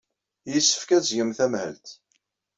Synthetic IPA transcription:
jəsːə̥fkæt͡sːʝəmθæmhə̰lt̪

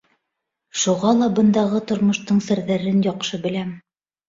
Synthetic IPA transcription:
ʃuʁɑlˠɑbɤ̆nd̪ɑʁɤt̪ŏɾmŏʃt̪ɤɴsɘ̆ɾðæɾɘnjɑqʃɤbɘ̆læm

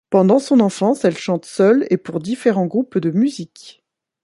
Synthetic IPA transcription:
pɑ̃d̪ɑ̃sɔ̃nɑ̃fɑ̃sɛlʃɑ̃t̪sœlepuʁd̪ifeʁɑ̃ɡʁupd̪əmyzik

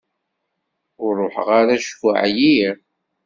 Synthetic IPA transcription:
ʊɾˤːʊħəʁaɾæʃkʊ̰ʕjiɾ

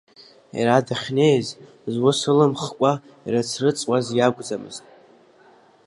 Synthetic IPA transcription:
ḭɾadaχʲne̞jz | zwʊsɨlɨmχkʷʼa | iɾat͡sʰrɨt͡sʼwʷʼazjaɡʷʼd͡zamɨ̰ztʼ

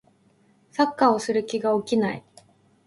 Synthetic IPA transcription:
sakːao̞sɨɾɯ̟kʲiɡaokʲinaḭ

